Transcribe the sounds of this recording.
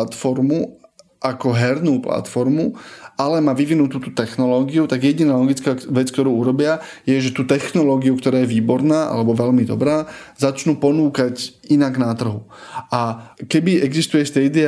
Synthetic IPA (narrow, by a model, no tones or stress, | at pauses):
t̪fɔɾmu | ʔakɔɦɛɾnuːpla̰t̪fɔɾmuʔalɛmaʋiʋinut̪uːt̪uːt̪ɛxnɔlɔːɡiut̪aɡjɛɟinaːlɔɡit͡skaːʋɛt͡skt̪ɔɾuːuɾɔbɪa | jɛʒɛt̪uːt̪ɛxnɔlɔːɡiukt̪ɔɾaːjɛʋiːbɔɾnaːʔa̰lɛbɔʋɛlmid̪ɔ̰bɾaːzat͡ʃnuːpɔnuːkacinaɡnat̪r̩ɦuakɛbiɛɡzist̪ujɛst̪ɛd̪i